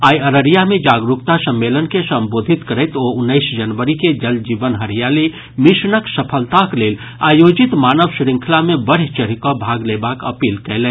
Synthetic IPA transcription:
aːiəɾəɾijamẽd͡ʒaːɡɾukt̪asəmːelənkesə̃mboːd̪ʱit̪kəɾɛɪt̪oʊnːəɪsd͡ʒənʋəɾiked͡ʒəld͡ʒiːʋənɦəɾ̤ijali | misnəksəpʰəlt̪akleːl | aːjoːd͡ʒɪt̪maːnəʋsɾɪ̃ŋkʰlamẽbəɽ̤it͡ʃəɾ̤ikɔbʱaːɡlebaːkə̰piːlkɛːlẽː

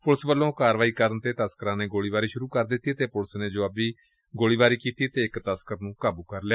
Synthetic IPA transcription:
pʊləsʋəlːõːkaːɾʋaːiːkəɾənt̪eːt̪əskəɾãːneːɡoːɽiːbaːɾiːʃʊɾuːkəɾd̪ɪt̪ːiːt̪eːpʊlsneːd͡ʒoːəbiː | ɡoːɽiːbaːɾiːkiːt̪iːt̪eːɪkt̪əskəɾnũːkaːbuːkəɾljaː

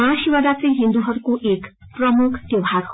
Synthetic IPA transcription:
ãʃiwad̪at͡sʌ̃j̃ɦind̪uɦʌɾukoʔek | prʌmukʰt̪ewɦaɾ

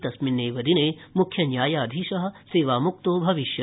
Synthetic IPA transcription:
t̪ɐsminːeːʋɐd̪ineːmukʰjɐnjaːjaːd̪ʱiːʃɐɦɐ̆seːʋaːmuk̚t̪oːbʱɐʋiʃjɐ

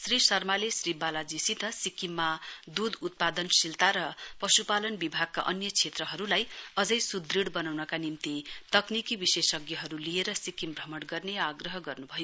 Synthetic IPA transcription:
srisʌrmalesribalad͡zisit̪ʌsikimːad̪ud̪ut̪̚pad̪ʌnsilt̪aɾʌpʌsupalʌnbibʱaɡ̚kaʔʌnjʌt͡sʰet̪rʌɦʌɾulajʌd͡zʌjsud̪riɽbʌnawnʌkanimt̪it̪ʌknikibisesʌɡjʌɦʌɾulieɾʌsikimbʱrʌmʌɽɡʌrneaɡrʌɦʌɡʌrnubʱʌjo

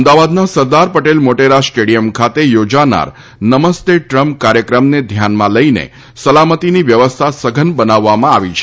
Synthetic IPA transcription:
əmd̪aʋad̪nasəɾd̪aɾpəʈelmoʈeɾasʈeɽijəmkʰat̪ejod͡ʒana̰ɾ | nəməst̪eʈɾəmp̚kaɾjəkɾəmned̪ʱjanmãləinḛ | səlamət̪iniʋjəʋəst̪ʰasəɡʱənbənaʋːamãaʋit͡ʃʰ

